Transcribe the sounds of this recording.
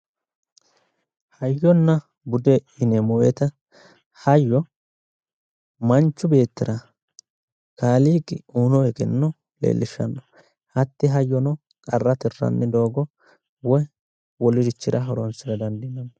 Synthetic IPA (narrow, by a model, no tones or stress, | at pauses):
hɐjːɔnːɐ | bʊd̪ɛɪnɛmɔwɛt̪ɐ | hɐjːɔ | mɐnt͡ʃːʊbe̞ːt̪ːɪɾɐ | kaːliːɡɪuːnɔɛɡɛnːɔ | lḛːlːɪʃːɐ̰nːɔ̥ | hɐt̪ːɪɦɐjːɔnɔ | kʼɐrːɐt̪ɪrːɐ̰nːɛd̪o̞ːɡɔ | wɔj | wɔlɪdɪt͡ʃːɪɾɐɦɔɾɔnsɪɾɐd̪ɐnd̪ɪnːɐnːɔ